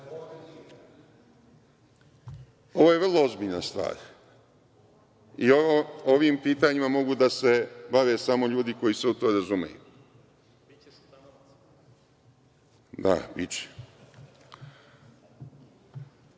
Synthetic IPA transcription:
o̞ʋoːjevrlˠo̞o̞zbiʎnast̪ʋa̰ːɾ | ioo̞ʋiːmpiːt̪aɲimamo̞ɡud̪ase̞baʋeːsamo̞ʎuːd̪iko̞jiseut̪omɾazumḛjṵ | d̪a̰bit͡ɕe̥

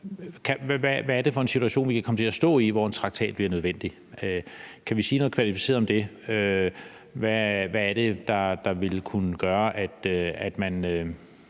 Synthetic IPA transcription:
kʰæʋæʋæːɐd̥e̝fɒ̽e̝nsi̥t͡sʰuæɕo̝̰ːnʋikʰækʰɒ̽mət͡sʰe̝læsd̥ɔ̰̽ːiʋɒe̝nt͡sʰʁɑ̈ɡ̥̚t͡sʰɛ̰ːd̥b̥liɐnøð̞ˠʋen̰d̥i | økʰæʋisiːnɔ̽ð̩kʰʋælifise̝̰ɐð̩ˠɒ̽md̥e̝ | ø | ʋæʋæːɐɾ̥e̝d̥ɑ̈d̥ɑ̈ʋe̝lkʰunəɡ̥ɶːɐʔæd̥æd̥mænø

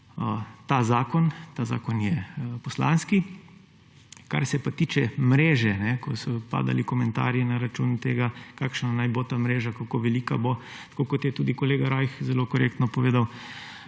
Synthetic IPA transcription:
t̪azaːkɔnt̪aza̰ːkɔnjɛpɔsla̰nski | ka̰ɾsɛpat̪iːt͡ʃɛmɾeːʒɛnɛkɔsɔpa̰ːd̪a̰likɔmɛnt̪a̰ːɾjɛnaɾat͡ʃuːnt̪eːɡakaːkʃnanajbot̪amɾeːʒakakoʋɛliːkabo | t̪kokɔt̪jɛt̪uːd̪ikɔleːɡaɾajxzɛlokɔɾḛk̚t̪nɔpɔʋeːd̪aw

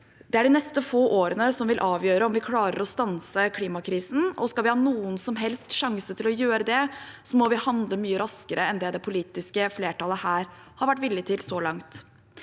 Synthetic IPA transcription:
d̪̥ɛæɖɪnɛst̪əfoːʔoːɾənəsɔmʋɪlʔɑːʋjøːɾəɔmʋɪkʰlɑːɾə̰ɾɔst̪ɑnsəkʰliːmɑkʰɾiːsn̩ɔ̰skɑlʋɪhɑːnuːənsɔmɦɛlst̪ʂɑŋsət̪ʰɪlɔjøːɾəd̪ɛsɔmɔʋɪhɑnd̪ləmyːəɾɑskəɾəɛnd̪ɛːd̪ɛpʰʊliːt̪ɪskəfleːʈɑləhæːɾ | hɑɾʋæʈːʋɪlːɪt̪ʰɪlsɔlɑŋt̪

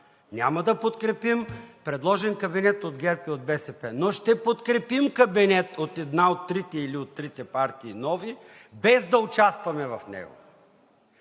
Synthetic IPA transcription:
nʲa̰mɐd̪ɐpot̪kɾɛpimpɾɛd̪lˠɔʒɛnkɐbinɛt̪od̪ɡʲɛɾpiod̪̚bɛsɛpɛnoʃt̪ɛpot̪kɾɛpimkɐbinɛt̪ot̪ɛd̪naot̪ːɾit̪ɛiliot̪ːɾit̪ɛpaɾt̪iːnɔvi | bɛzd̪ɐʊt͡ʃast̪vɐmɛvɐfnɛ̰ɡo̰

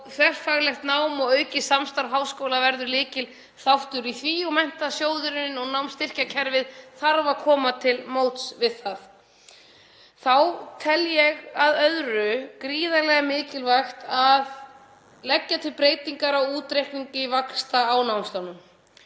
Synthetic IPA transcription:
θvɛr̥faɣlɛxt̪naːwmɔɣœːɥcɪsamst̪aɾɦaːwskowlavɛɾðʏɾlɪːcɪl | θawht̪ʏɾiθviːɔmɛn̥t̪asjoːwðʏɾɪnɪnɔɣnawmst̪ɪr̥cacʰɛɾvɪðθaɾvakʰɔːmat̪ʰɪlmoːwt̪svɪðθaθ | θawt̪ʰɛljɛɣaðœðɾʏkɾiːðalɛɣamɪːcɪlvajxt̪að | lɛcːat̪ʰɪlpɾeːjt̪iŋkaɾawuːt̪ɾejhkniɲcɪvakst̪aːwnawmst̪awnʏm

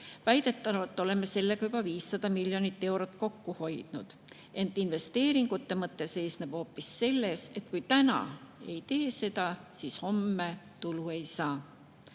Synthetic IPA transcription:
væjd̪̥e̞t̪ːˑɑvɑlt̪ːˑo̞le̞me̞se̞lːe̞ɡ̥ɑjubɑviːsːɑd̪̥ɑmiljo̞nit̪ːe̞wɾot̪ːˑko̞kːuho̞jd̪̥nud̪̥ | e̞nt̪ːˑinve̞st̪e̞ːɾiŋɡ̥ut̪ːemɤt̪ːˑese̞ːsneb̥ho̞ːpːisːe̞lːe̞se̞t̪̚kujt̪ænɑ̰e̞jt̪e̞ːse̞d̪̥ɑsiːsho̞mːe | t̪ulue̞jsɑː

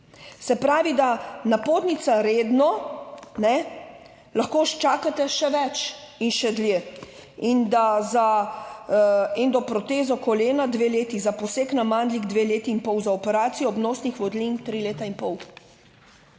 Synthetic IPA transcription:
sɛpɾaːʋid̪anapoːt̪nit̪saɾeːd̪nɔnɛ | laxkoːʃt͡ʃaːkat̪ɛʃɛʋɛt͡ʃ | inʃɛd̪lje | ind̪aza | end̪ɔpɾɔt̪eːzɔkɔleːnad̪ʋeːleːt̪izapɔseːknamaːnd̪liɡd̪ʋeːleːt̪iːnpɔwzaɔpɛɾaːt̪sijɔːbnɔːsnixʋɔd̪lint̪ɾileːt̪ainpɔw

